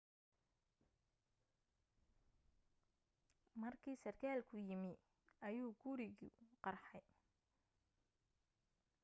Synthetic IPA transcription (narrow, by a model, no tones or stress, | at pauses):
mɐrkʰiːsɐrkʰaːlkʰʊjɪmɪ | ɐjuːɡuɾɪɣʊ̰qɑrħɑj